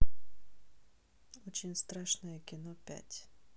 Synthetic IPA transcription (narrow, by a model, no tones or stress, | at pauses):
ɔt͡ɕɪnʲst̪ɾaʂnəjəkʲɪnɔpʲæ̰tʲ